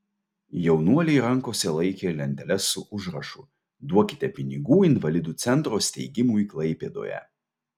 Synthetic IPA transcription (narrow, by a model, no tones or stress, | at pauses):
jɛʊnuɔlʲɛɪɾɐŋˑkoːsʲɛlˠɐɪkʲeːlʲɛnʲd̪ʲɛlʲɛsːʊʔʊʒɾɐʃṵːˑ | d̪uɔkʲɪ̥t̪ʲɛpʲɪnʲɪɡuːɪnʋɐlʲɪd̪uːt̪sʲɛnt̪ɾoːsʲt̪ʲɛɪɡʲɪmuːiːklˠɐɪpʲḛːd̪o̰ːjɛ̰